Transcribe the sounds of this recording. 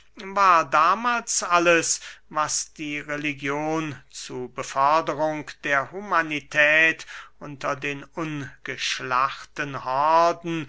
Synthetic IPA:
vaːɐdaːmaːlsʔaləsvasd̥iːʁeliɡjoːnt͡suɐbəfɔɐdəʁʊŋkd̥eːɐhumanitʰɛːtʔʊntɐdeːnʔʊnɡ̥əʃlaχtənhɔɐdn̩

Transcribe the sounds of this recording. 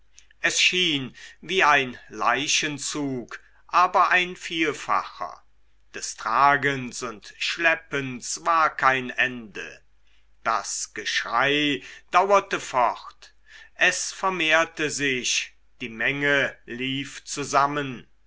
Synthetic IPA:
ʔɛsʃiːnviːaɪnla̰ɪʃənt͡suːk | ʔaːbɐʔaɪnfiːlfa̰χɐ̰ | d̥ɛstʁ̥aːɡənsʊntʃlɛpənsv̥aːɐkʰaɪnʔɛndə̰ | d̥a̰sɡ̥əʃʁ̥aɪd̥awɐtəfɔʁt | ʔɛsfɛɐmeːɐtəzɪç | d̥iːmɛŋəliːft͡suzamən

